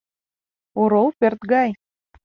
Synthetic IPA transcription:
oɾowpert̪ɡɑj

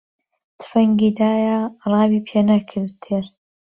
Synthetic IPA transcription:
t̪ʰɨ̥fɐŋɡiːd̪aːjarɑːbiːpʰeːnɐkʰɨɾt̪ʰeɾ

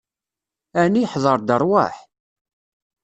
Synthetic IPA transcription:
æniħðˤəɾˤd̪əɾˤwa̰ħ

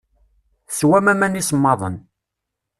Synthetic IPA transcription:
swæmæmænismːɑðˤən

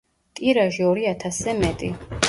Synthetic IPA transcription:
t̪ʼiɾaʒiɔɾiat̪ʰasɛmɛt̪ʼi

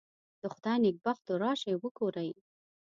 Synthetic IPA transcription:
d̪̥əxʊd̪ajnɪk̚baxt̪oɾɑʃajwəɡoɾaj

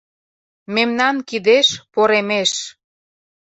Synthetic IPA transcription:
memnɑnkid̪eʃpoɾemeʃ

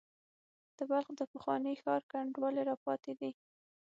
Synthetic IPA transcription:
d̪̥əbalxd̪əpəxwɑnəjxɑɾkaɳɖwɑleɾɑpɑt̪ed̪i

